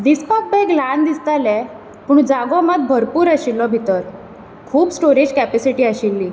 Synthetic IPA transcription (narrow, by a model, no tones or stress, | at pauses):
d̪ispak̚bɛɡland̪ist̪alɛ | puːɳd͡zaɡɔmat̪̚bʱəɾpuːɾaɕilːɔbʱit̪əɾ | kʰuːpsʈoɾed͡ʑkæpɛsiʈiːaɕilːi